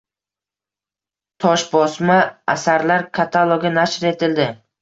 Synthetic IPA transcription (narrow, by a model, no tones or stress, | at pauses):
t̪ʰɒʃbɒsmaasaɾlaɾkʰat̪ʰalˠoɡʲanaʃɾe̞t̪ʰɪld̪ɪ